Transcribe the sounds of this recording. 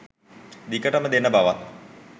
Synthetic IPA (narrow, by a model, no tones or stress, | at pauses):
d̪ikəʈɐməd̪enːəbaʋɐt̪